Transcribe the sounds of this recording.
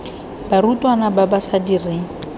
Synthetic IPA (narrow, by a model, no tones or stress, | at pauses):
barutʼwanababasadireːŋ̩